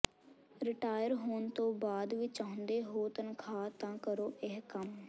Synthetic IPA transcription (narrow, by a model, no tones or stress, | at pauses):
ɾɪʈaːjəɾɦoːnt̪õːbaːd̪ʋiːt͡ʃaːɦʊ̃nd̪eːɦoːt̪ənkʰaːt̪ãːkəɾoːʔɪɦkəm